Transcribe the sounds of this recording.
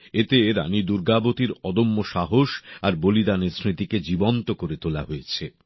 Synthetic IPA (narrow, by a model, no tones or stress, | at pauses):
et̪eɾa̰nid̪uɾɡabot̪iɾɔd̪omːoʃaɦoʃaɾbolid̪anesɾit̪iked͡ʑibont̪okoɾet̪ola̰ɦojet͡ɕʰe